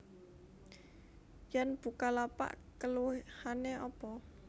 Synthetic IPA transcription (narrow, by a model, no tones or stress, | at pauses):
janb̥ṳkalapa̰ʔkəluhaneʔɔpɔ